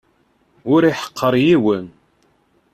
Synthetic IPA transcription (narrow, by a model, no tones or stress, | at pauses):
ʊɾiħə̥qʰːəɾˤjiwən